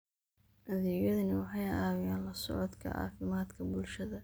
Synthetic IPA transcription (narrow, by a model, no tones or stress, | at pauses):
ʔɐðiːjɐðɐnɪwɑħɑjaːwɪjaːnlɐsɔ̰ʕɔd̪kʰɐ̰ʕɑ̰ːfɪmaːd̪kʰɐbʊlʃɐðɐ